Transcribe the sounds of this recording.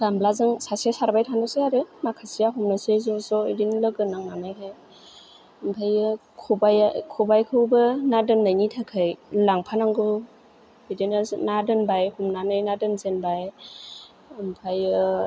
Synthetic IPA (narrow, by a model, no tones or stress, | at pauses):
ɡ̥amblazɯŋsasesaɾbajtʰanɯseaɾɯmakʰasijaɦumnɯsezɔzɔidiŋlɯɡɯnaŋnanajɦaj | ɯmpʰajɯkʰɔbajkʰɔbajkʰɯwbɯnadɯnːajnitʰakʰɯjlaŋpʰanaŋɡɯ | bidenanadɯnbajhumnanɯjnadɯnzenbaj | ɯmpʰajɯ